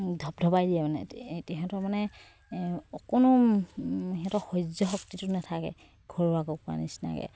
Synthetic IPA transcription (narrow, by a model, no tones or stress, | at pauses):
dʱɔb̚dʱɔbajdiɛmanɛ̰tɛɦɛtɔmanɛ | ɔkɔnʊ | ɦɛtɔxɔjzɔxɔktitʊnatʰakɛ̰ | ɡ̥ʱɔɹakɔkua̰nḭsna̰kɛ̰